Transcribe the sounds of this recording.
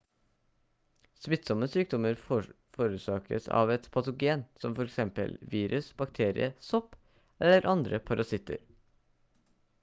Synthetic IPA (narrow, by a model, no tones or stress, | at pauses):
smɪt̪ːsɔmːəsyːk̚d̪ɔməɾ | foːɾʉːsɑːkə̰sɑ̰ːʋɛt̪pʰɑt̪ʊɡeːnsɔmfɔɾɛksɛmpə̰lʋiːɾʉsb̥ɑkt̪ʰeːɾɪ̰əsɔp | ɛlːəɾʔɑnd̪ɾəpʰɑɾɑsɪt̪ə̰ɾ